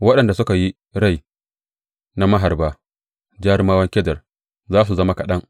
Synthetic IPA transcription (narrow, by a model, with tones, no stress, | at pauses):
wɐ˦ɗɐ˨nda˨sʊ˦ka˨ji˦ | ɽa˦˨j | na˦mɐ˦ɦa˨rbaː˦ | d͡ʒaː˦ɾmaː˦wɐ˦ŋkʲɛ˦dɐ˨r | zaː˦s̬u˨zɐ˦ma˦kɐ˨ɗɐ˦ŋ